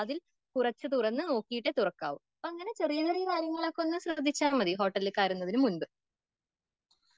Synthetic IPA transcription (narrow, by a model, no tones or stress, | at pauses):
ɐðil | kurɐt͡ɕːɨt̪urɐnːɨno̞ːkːijiʈːet̪urɐkːaːʋumpːɐŋːɐne̞t͡ɕerijɐɣɐrijɐkaːɾjɐŋːɐɭokːo̞nːɨmɕrɐd̪ʱːit͡ɕːaːnmɐðiɦo̞ːʈːɐlːɨkːaːɾunːɐðinumunbɨ